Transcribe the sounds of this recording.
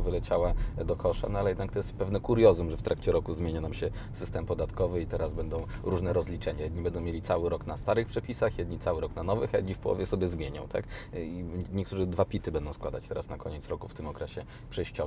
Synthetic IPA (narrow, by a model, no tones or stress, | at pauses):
vɘlɛt͡ɕawad̪ɔkʰɔʂa̰nɔalɛjɛd̪nakt̪ɔjɛst̪pɛvnɛkuɾjɔzumʐɛft̪ɾakt͡ɕɛɾɔkuzmʲjeɲanamɕɛ | sɘst̪ɛmpɔd̪at̪kɔvɘit̪ɛɾazbɛnd̪ɔ̃w̃ | ɾuʐnɛɾɔzlʲit͡ʂɛɲajɛd̪ɲibɛnd̪ɔ̃w̃mʲjelʲit̪sawɘɾɔknast̪aɾɘxpʂɛpʲisaxjɛd̪ɲit̪sawɘɾɔknanɔvɘxajɛ̰d̪ɲifpɔwɔ̰vʲjɛsɔbʲjɛzmʲjeɲɔ̰̃w̃t̪ʰa̰kiɲɛkt̪uʐɘd̪vapʲit̪ɘbɛnd̪ɔ̃wskwad̪a̰t͡ɕt̪ɛɾasnakɔɲɛtsɾɔkuft̪ɘmɔkɾɛɕɛ | pʂɛjɕt͡ɕɔ